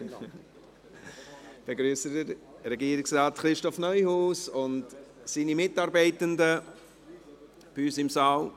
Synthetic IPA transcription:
b̥eɡɾyəsədəɾɾɛɡiəɾɪksɾaːtχɾɪʃtɔfnœʏhuːsʊnt | siːnimɪtɑːɾbɛɪtəndə | b̥yːsɪmsɑːl

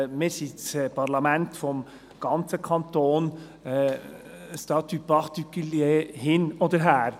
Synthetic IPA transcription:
mɪːɾsit͡spʰɑɾlɑmɛntfɔm | ɡ̥ɑnt͡səkʰɑnt̪oːn | stɑt̪ypɑʁt̪ikyljehɪnod̪əɾɦæːɾ

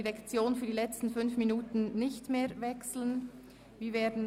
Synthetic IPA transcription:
iʁɛkt͡sjoːnfyːɐdiːlɛt͡stn̩fʏnfminuːtn̩nɪçtmeːɐvɛksl̩ən | viːveːɐdn̩

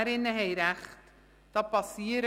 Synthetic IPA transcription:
ɾɪnəɦeɪɾæχt | d̥ɑːpɑsiːəɾ

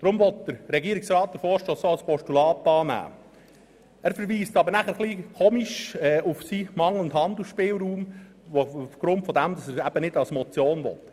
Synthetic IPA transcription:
d̥ɾʊmvɔt̪̚d̥əɾɾɛɡiəɾɪksɾɑːt̚d̥̪əɾfɔːɾʃtoːsoɑlspɔʃtulɑːtɑːnæ̰ː | æːɾfəɾʋiːstɑbəɾnæχəɾχlikʰoːmiʃɛːʊfsimɑŋləndɦɑndl̩ʃpɪːlɾuːm | oufɡ̥ɾʊntfɔd̪æmd̪ɑsæɾæb̥ənɪdɑlsmɔt͡sjoːnʋɔ̰t

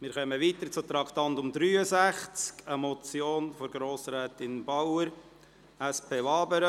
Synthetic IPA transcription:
mɪɾχœməʋiːt̪əɾt͡sʊt̪ɾɑkt̪ɑntʊmd̪ɾyːəzæχt͡skəmɔt͡sjoːnfɔɾɡɾoːsɾɛːtɪnbawəɾ | æspʰeːʋɑːbəɾə

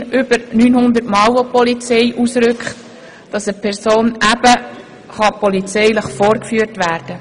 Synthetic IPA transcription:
ʔʏb̥əɾnyːnhʊnd̪əɾtmɑwɔpɔlit͡sɛɪʔusɾʏkχt | d̥ɑsəpʰɛɾsoːnʔæb̥ə | χɑpɔlit͡sɛɪləχfoːɾkfyːəɾtʋæːrd̥ə

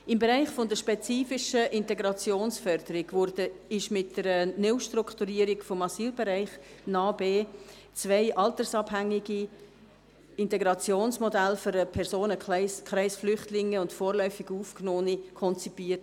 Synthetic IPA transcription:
ɪmbɛɾaɪχfɔndəɾʃpet͡siːfɪʃəʔɪntɛɡɾɑt͡sjoːnsfœɾd̪̥əɾɪɡvʊɾdəɪʃmɪtdəɾənɪʊʃtrʊkt̪uɾiːəɾɪɡfɔmɑsiːlbɛɾaɪχnɑːbeː | t͡svaɪʔɑltəɾsɑbɦæŋːiɡi | ɪntɛɡɾɑt͡sjoːnsmɔdælfyɾəpʰɛɾsoːnəkʰɾaɪsflʏχtlɪŋːəʊntfoːɾlœʏfɪɡuːfknoːnikʰɔnt͡sipiːət

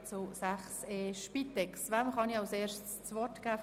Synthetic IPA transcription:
t͡sʊsæχseːʃpit̪ɛksʋamχɑniɑʊseːɾʃtst͡svɔtɡ̥æːf

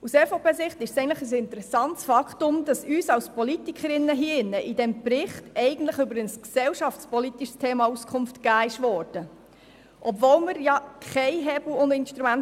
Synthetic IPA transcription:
usɛfoːpʰeːsɪχtɪʃsɛɪntləχəs̬ɪntəɾɛsɑntsfɑktʊmd̥ɑsyːsɑwspɔlitikχəɾɪnːəɦiːɪnːəʔɪdɛmbrɪχtɛɪɡən̩t̪ləχʏbəɾənsksɛwʃɑft͡spɔlit̪iʃstʰeːmɑuskʰχʊmftkæːɪʃvɔːɾd̥ə | ʔɔbvoːlməɾjɑkʰχɛɪɦɛbl̩ʊndɪnʃtɾumæn

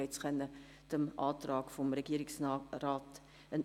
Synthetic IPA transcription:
əjtsχənə | təmʔɑːtrɑːkfɔmrəkiəɾɪŋsrɑːt | ən

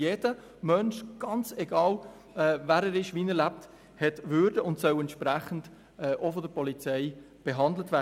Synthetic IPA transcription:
jeːd̥ə | mœnʃɡ̥ɑnt͡sɛɡɑːl | ɛːvæːɾɛɾɪʃʋiːnəlæp̚t | hɛtvʏɾdəʊntsœʊɛntʃpɾæχən̩d̥ | ɛːʔofɔdəɾpɔlit͡sɛɪ | b̥eɦɑndlətvæː

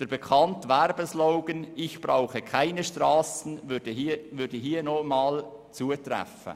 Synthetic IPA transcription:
d̥əɾbekʰɑntʋɛrbəsloʊɡənɪçb̥raʊxəkʰaɪnəʃtrɑːsn̩vdəhivʏɾdəɦiːənomɑːlt͡suːətrɛ̰fə̰

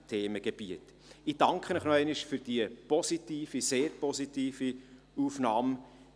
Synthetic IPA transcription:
tʰeːməɡ̥eb̥iət | id̥ɑŋkχənəχnɔɛɪnɪʃfyɾd̥iəpɔsitiːfiseːɾpɔsitiːfi | uːfnɑːm

